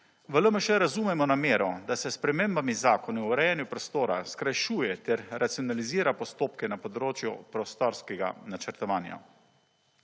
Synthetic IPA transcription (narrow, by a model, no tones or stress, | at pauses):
ʋələməʃɛɾazuːmɛmɔnameːɾɔd̪asɛspɾɛmeːmbamizaːkɔnuuɾɛjɛnjupɾɔst̪oːɾaskɾajʃuːjɛt̪ɛɾɾat̪sijɔnaliziːɾapɔst̪oːpkɛnapɔd̪ɾoːt͡ʃjṵpɾɔst̪ɔɾskɛɡa̰nat͡ʃɛɾt̪ɔʋaːnja̰